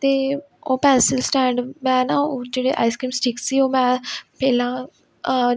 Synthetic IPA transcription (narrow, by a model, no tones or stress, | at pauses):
t̪eː | oːpɛ̃ːnsɪlsʈɛ̃ːɳɖmɛ̃ːnaːoːd͡ʒeːɽeːʔa̰ːɪskɾiːmsʈiksiːoːmɛ̃ːpeːlãː